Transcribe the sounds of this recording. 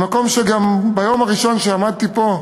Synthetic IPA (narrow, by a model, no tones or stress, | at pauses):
mako̞mʃeɡambajo̞maʁiʃo̞nʃeamad̪̚t̪ipo̞